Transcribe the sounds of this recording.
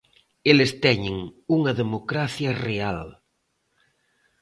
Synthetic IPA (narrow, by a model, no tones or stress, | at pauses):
elest̪ɛɲeŋuŋɐðemokɾaθjɐreal